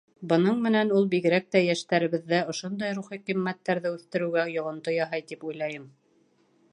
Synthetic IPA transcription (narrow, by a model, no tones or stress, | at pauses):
bɤ̆nɤɴmɘ̆nænulˠbiɣɘ̆ɾæk̚t̪æjæʃt̪æɾɘ̆βɘ̆ðːæŏʃond̪ɑjɾuχiqimːæt̪ːæɾðɘʉθt̪ɘ̆ɾɘ̆ɡæjŏʁŏnt̪ojɑɦɑjt̪ipujlˠɑjɤm